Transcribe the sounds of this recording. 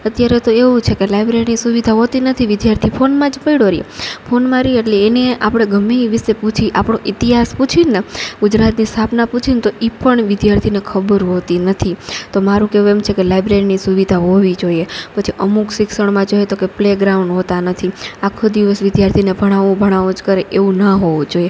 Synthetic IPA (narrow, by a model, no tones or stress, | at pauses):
ət̪jaɾet̪oeʋũt͡ʃʰekelajbɾeɾinisuʋid̪ʱaɦot̪inət̪ʰiʋɪd̪jaɾt̪ʰifʰonmãd͡ʒpəiɽoɾijḛpʰonmãɾieʈleːneapɽ̃eɡʱəmiʋɪʃeput͡ʃʰiʔapɽ̃oʔit̪iɦasput͡ʃʰineɡʊd͡ʒɾat̪nist̪ʰapnaput͡ʃʰint̪oʔipəɳʋɪd̪jaɾt̪ʰinekʰəbəɾɦot̪inət̪ʰit̪omaɾũkeũemt͡ʃʰekelajbɾeɾinisuʋid̪ʱaɦoʋid͡ʒoiepət͡ʃʰiʔəmukʃɪksəɳmãd͡ʒoet̪okepleɡɾaũɳɖɦot̪anət̪ʰiakʰːod̪iʋəsʋɪd̪jaɾt̪ʰinebʱəɽ̃aʋũbʱəɽ̃aʋũd͡ʒkəɾeʔeʋũnəɦoʋũd͡ʒoie